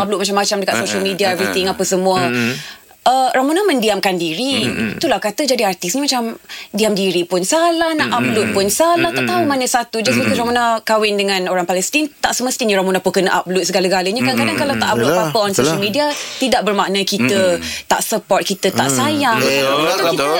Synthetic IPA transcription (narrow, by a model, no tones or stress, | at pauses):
ab̚luʔ̚mat͡ʃamːat͡ʃamdəkat̪̚soʃəlmidiaɛvɾit̪ɪŋapəsəmũə | ʔəɾamunamə̃ndiamkandiɾit̪ulahkat̪əd͡ʒadiart̪isɲamat͡ʃamdiamdiɾipʊnsalahnaʔab̚lut̪̚pʊnsalaht̪aʔt̪aumaɲəsat̪ud͡ʒasbət̪usɾamunakawɪndəŋãnoɾaŋpalɛst̪int̪aʔsəməst̪iɲãɾamunapunkənəʔap̚lut̪̚səɡaləɡaləɲakankadaŋkalat̪aʔabluapəɔnsoʃalmidiat̪idaʔ̚bərmaʔnəkit̪ət̪a̰ʔsəpɔrt̪̚kit̪ət̪aʔsajaŋaaaukiə